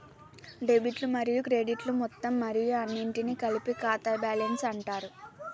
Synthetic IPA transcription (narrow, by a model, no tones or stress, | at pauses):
ɖe̞biʈlumɐɾijukɾe̞ɖiʈlumɔt̪ːɐmːɐɾijuɐnːiɳʈinikɐlipikaːt̪ɐbjaːlɐnsɐɳʈaːɾu